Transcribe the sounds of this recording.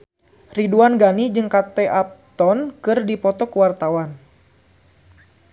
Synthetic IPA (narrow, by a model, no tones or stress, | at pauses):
riduanɡanid͡ʒɨŋkat̪eʔap̚t̪ɔnkɨrdipɔt̪ɔkəwart̪awan